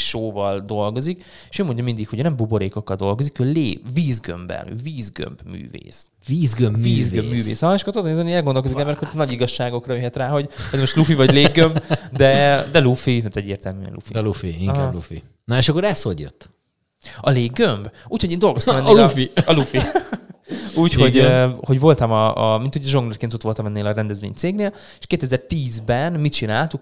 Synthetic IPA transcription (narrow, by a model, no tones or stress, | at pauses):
ʃoːvɒld̪o̞lɡo̞zik | eʃøːmoɲɟɒmind̪ikhoɟøːnɛmbubo̞ɾeːkokːɒld̪o̞lɡo̞zikøːleːviːzɡø̰mbɛ̰nø̰ːviːzɡø̰mbmy̰ːvḛːs | viːzɡømviːzɡømbmyːvḛːsɒɦɒeʃɒkort̪od̪neːzɛniɛlɡond̪okozikɛmbɛɾɛkːornɒɟiɡɒʃːaːɡo̞krɒjøɦɛt̪raːɦo̞ɟodmo̞ʃt̪lufivɒɟleːɡɡømbd̪ɛd̪ɛlufiɦat̪ɛɟːḛːrt̪ɛlmy̰ɛ̰lṵfḭlufiiŋkablufḭ | nɔeʃɒkːoɾɛsho̰ɟjø̰t̪ː | ɒleːɡːømbuːcho̞ɟeːnd̪o̞lɡost̪ɔmɛnːlːfiɒlufi | uːcho̞ɟho̞ɟvo̞lt̪ɒmɒmint̪huɟɛʒoŋɡlirkeːnt̪ot̪ʋo̞lt̪ɒmɛnːeːlɒɾɛnd̪ɛzvʋḛːɲt̪seːɡneːl | eʃkeːt̪ɛzɛrt̪iːzbɛnmit͡ʃinaːlt̪uk